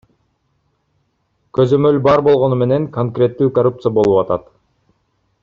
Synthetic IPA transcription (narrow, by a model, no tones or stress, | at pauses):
kø̞zø̞mø̞lbɑɾbo̞lˠʁo̞nume̞ne̞ŋkoŋkrʲe̞t̪ːyːkorup̚t̪sɨjɐbo̞lˠupɑt̪ɑt̪